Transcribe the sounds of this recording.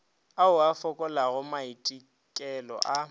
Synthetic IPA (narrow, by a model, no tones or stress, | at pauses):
aʊafɔkʼɔlaɣʊmaitʼi | kʼɛlɔ̰ʔa